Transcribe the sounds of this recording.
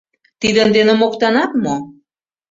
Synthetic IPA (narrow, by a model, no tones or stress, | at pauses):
t̪id̪ənd̪enĕmokt̪ɑnɑt̪mo